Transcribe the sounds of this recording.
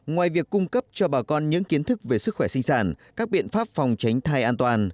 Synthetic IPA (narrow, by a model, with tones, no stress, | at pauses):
ŋwaː˨˩jvi˨˩əkːʊ˧ŋ͡mkə˦˥p̚t͡ɕɔ˧ɓaː˨˩kɔ˧nɲɨ̰˧˥ŋki˨˦ənt̪ʰɨ˦˥k̚ve˨˩sɨ˦˥k̚xwɛ˧˩sï˧ŋ̟saː˧˩nkaː˦˥k̚ɓḭ˧˨ənfaː˦˥p̚fɔ˨˩wŋ͡mt͡ɕa˨˦jŋ̟t̪ʰaː˧jʔaː˧nt̪waː˨˩n